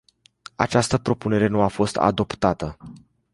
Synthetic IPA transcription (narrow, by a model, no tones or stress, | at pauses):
a̰t͡ʃast̪əpɾo̞pune̞ɾe̞nuafo̞st̪a̰d̪o̞pt̪at̪ə